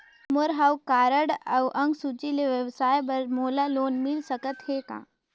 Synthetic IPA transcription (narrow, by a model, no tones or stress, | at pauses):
moɾɦawkaːɾəɽawʔɐ̃ŋɡsut͡ʃileʋjəʋsaːjbəɾmoːlaloːnmɪlsəkət̪hekã̰ː